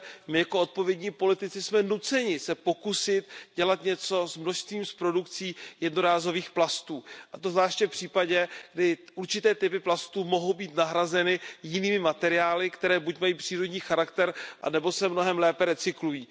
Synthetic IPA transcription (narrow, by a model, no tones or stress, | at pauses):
mɪjakoʔo̞t̪̚po̞vjɛdɲiːpo̞lɪt̪ɪt͡sɪsmɛnut͡sɛɲɪsɛpo̞kusɪt̪ɟɛlat̪ɲɛt͡so̞zmnoʃst̪viːmspɾo̞dukt͡siːjɛdno̞ɾaːzo̞viːxplast̪uːʔat̪ovzvlaːʃcɛfpr̝̥iːpaɟɛɡ̥dɪʔuɾt͡ʃɪt̪ɛːt̪ɪpɪplast̪uːmoɦo̞wbiːt̪naɦɾazɛnɪjɪniːmɪmat̪ɛɾɪaːlɪkt̪ɛɾɛːbucmajiːpr̥iːɾo̞dɲiːxaɾakt̪ɛɾʔa̰nɛbo̞sɛmno̞ɦɛmlɛːpɛɾɛt͡sɪklujiː